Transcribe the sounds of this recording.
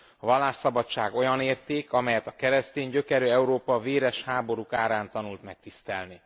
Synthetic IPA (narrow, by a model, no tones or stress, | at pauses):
ɒvɒlːaːʃːɒbɒt͡ʃːaːɡo̞jɒneːrt̪eːkɒmɛjɛt̪ɒkɛɾɛst̪eːɲɟø̞kɛɾøːɛuɾoːpɒveːɾɛʃhaːbo̞ɾukaːɾaːnt̪ɒnult̪mɛk̚t̪ist̪ɛ̰lni